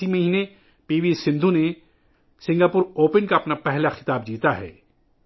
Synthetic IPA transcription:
imɐɦiːne | piːʋisɪ̃nd̪ʱune | sɪ̃ŋɡaːpʊɾoːpənkaɐpnapɛɦlaxɪ̥t̪aːb̚d͡ʒiːt̪aɦɛ̰ː

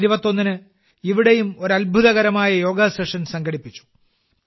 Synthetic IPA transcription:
ɾibɐt̪ːo̞nːinɨ | iʋiɽe̞jumo̞ɾɐlbʱuðɐɣɐɾɐmaːjɐjo̞ːɡaseʂɐnsɐŋɡɐɽipːit͡ɕːu̥

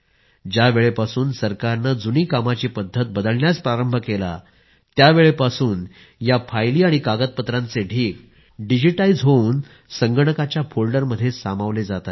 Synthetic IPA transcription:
d͡ʑjaʋeɭepasuːnsəɾkaɾnad͡zuniːkamat͡ɕepəd̪ʱːət̪̚bəd̪əlɳjaspɾaɾəmbʱəkela̰ | t̪jaʋeɭepasuːn | jafʰajliːaɽ̃ikaɡət̪̚pət̪ɾãnt͡seɖʱiːk | ɖid͡ʑiʈaid͡zɦoun | səŋɡəɳəkat͡ɕjafolɖəɾməd̪ʱːjesamaʋled͡zat̪a

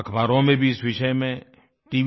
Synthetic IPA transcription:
ɐkʰbaːɾõmẽbʱiɪsʋɪʃəjmẽ | ʈiːʋ

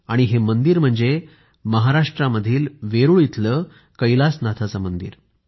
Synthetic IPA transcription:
aɽ̃iɦemənd̪iːɾm̤əɳd͡ze | məɦaɾaʂʈɾaməd̪ʱiːlʋeɾuːɭit̪ʰləː | kəjlasnat̪ʰat͡samənd̪ḭːɾ

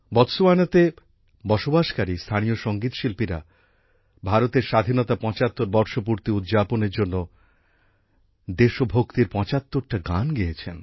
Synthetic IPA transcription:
bɔt̪ʃoanat̪e | bɔʃobaʃkaɾist̪ʰanijoʃoŋɡit̪ʃilpiɾa̰ | bʱaɾot̪eɾʃad̪ʱinot̪apɔ̃t͡ɕat̪ːoɾbɔɾʃopuɾt̪iud̪d͡ʑaponeɾd͡ʑonːo | d̪eʃobʱokt̪iɾpɔ̃t͡ɕat̪ːoɾʈaɡanɡiet͡ɕʰen

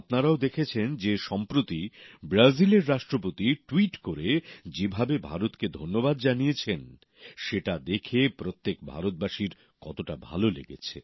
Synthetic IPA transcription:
pnaɾaod̪ekʰet͡ɕʰend͡ʑeʃɔmpɾot̪ibɾazileɾːaʃʈɾop̬ot̪iʈwiʈkoɾed͡ʑebʱabebʱa̰ɾot̪ked̪ʱonːobad̪d͡ʑanijet͡ɕʰen | ʃeʈad̪ekʰepɾot̪ːekbʱa̰ɾot̪̚baʃiɾ | kɔt̪oʈabʱa̰lolḛɡḛt͡ɕʰe

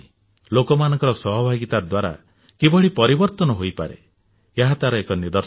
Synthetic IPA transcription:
lokɔmanɔ̃ŋkɔɾɔsɔɦɔbʱaɡit̪ad̪waɾa̰ | kibɔɽipɔɾibɔɾt̪ɔnɔɦojpa̰ɾḛ | eɦat̪aɾɔekɔnid̪ɔɾ

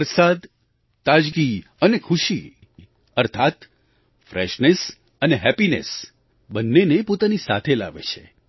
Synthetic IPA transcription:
ɾsad̪ | t̪ad͡ʒɡi | ənekʰuʃi | əɾt̪ʰat̪ | fɾɛ̰ʃnes | əneɦɛpinḛs | bənːenepot̪anisa̰t̪ʰela̰ʋḛt͡ʃʰe

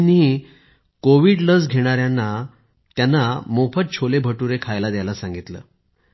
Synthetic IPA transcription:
ni | koʋiːɽləd͡zɡʱeɽ̃aɾjanːa | t̪janːamofət̪̚t͡ɕʰolebʱəʈuɾekʰajlad̪jajlasãŋɡit̪lə̰ː

